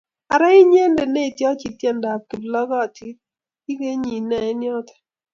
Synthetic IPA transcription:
a˨ɾa˦i˦ɲ˦e˦n˦de˨ne˦˨tjɔ˦t͡ʃi˨tjɛ˦˨n˦da˨b̚ki˨blɔ˦ɡɔ˦˨ti˦ | i˦ɡe˦ɲi˨na˨ɪ˦njɔ˦tɛ̥˨

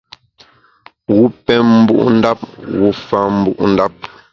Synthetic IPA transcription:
wu˦pɛ˦mm̩˦bṵ˦ʔn̩˦da˦p̚ɣu˦fa˦˨m̩˦bu˦ʔn̩˦da˦p̚

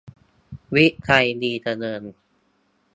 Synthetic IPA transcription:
wi˦˥ʔkʰa˧jdiː˧d̪a˧nɤː˧n

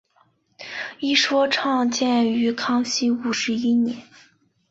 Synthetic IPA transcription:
i˥ʂwɔ˥ʈ͡ʂʰɑ˥˧ŋt͡ɕjɛ˥˩ny˧˥kʰɑ˥ŋɕi˥u˨˩ʂɻ̩˧˥i˥njɛ˧˦n

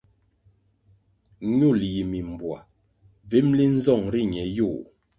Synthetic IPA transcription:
ɲu˦˨lji˨mi˨m˨bwa̰˨ | ve˦mli˦n̩˦zɔ˦˨ŋɾi˦˨ɲɛ˨˦ju˦˨

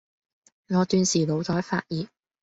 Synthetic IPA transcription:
ŋɔː˨˧t̪yː˧nsiː˨lo˨˧wt̪ɔː˨˥jfa̰ː˧t̚jiː˨˧t̚

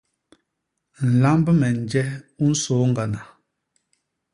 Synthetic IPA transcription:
n̩˨la˦mbə˦mɛ˨n˨d͡ʒɛ˦u˦n̩˦soː˨˦ŋ̩˦ɡa˨na˨

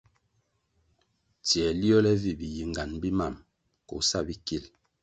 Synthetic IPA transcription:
ti˨ɛ˨li˦ɔ˦lɛ˦vi˨bi˨ji˨ŋɡa˨nbi˦ma˨m | kɔ̰˨˦sa˦˨bi˦ki˨l

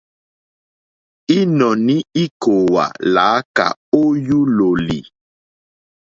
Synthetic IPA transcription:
i˦nɔ˨ni˦i˦ko˨wa̰˨laː˨˦ka̰˨o˦ju˦lo˨lḭ˨

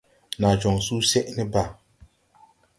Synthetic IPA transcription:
na˨d͡ʒɔ˨ŋsu˦sɛ˦ʔnɛ˦ba˨

